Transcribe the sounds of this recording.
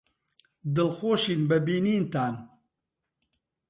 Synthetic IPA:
d̪ɨlxoːʃinbɐbiːniːnt̪aːn

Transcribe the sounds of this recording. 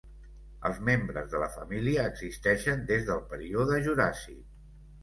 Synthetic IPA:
ə̰lˠzmembɾəzðələfə̰miliəːɡz̥ist̪ɛʃənd̪ezðəlˠpəɾioðəʒuɾasḭ

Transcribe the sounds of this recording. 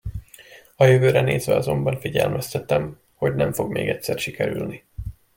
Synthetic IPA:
ɒjøvøːɾɛneːzʋɛɒzo̞mbɒɱfiɟɛ̰lmɛst̪ɛt̪ɛm | ho̞ɟnɛɱfo̞ɡmeːɡɛcʲsɛrʃikɛɾylni

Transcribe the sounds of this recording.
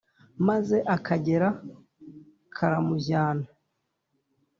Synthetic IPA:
maze̞ʔakʰaɟe̞ɾa | kʰaɾamuzaːna

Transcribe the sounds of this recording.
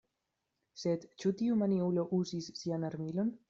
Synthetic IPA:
sed̪t͡ʃut̪iumaniuloʔuzisːianaɾmilo̞n

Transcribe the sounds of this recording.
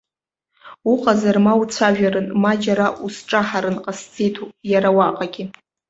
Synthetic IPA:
uqʼazarmawut͡sʷʰaʒᶣaɾɨnmad͡ʒaɾaʔusʈ͡ʂʼaħaɾɨnqʼasd͡zejtʰujaɾawaqʼaɡʲɪ

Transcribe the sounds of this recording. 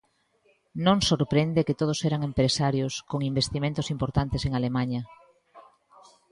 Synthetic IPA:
nõŋsoɾpɾend̪eket̪oð̞osɛɾaŋempɾesaɾjoskoŋimbest̪imẽnt̪ʊsimpoɾt̪ant̪eseŋalemãɲɐ

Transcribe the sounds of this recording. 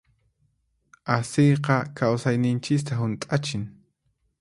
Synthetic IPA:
asejqɑkawsajnɪnt͡ʃɪkt̪aɦʊnt̪ʼat͡ʃɪŋ

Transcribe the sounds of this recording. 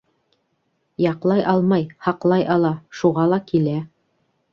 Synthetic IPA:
jɑqlˠɑjʔɑlˠmɑjhɑqlˠɑjʔɑlˠɑʃuʁɑlˠɑkilæ

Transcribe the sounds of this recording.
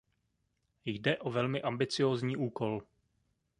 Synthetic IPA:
jdɛʔo̞vɛlmɪʔambɪt͡sɪjoːzɲiːʔuːko̞l

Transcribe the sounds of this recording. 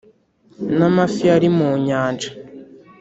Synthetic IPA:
namafiaɾimuɲaːnd͡ʒḁ

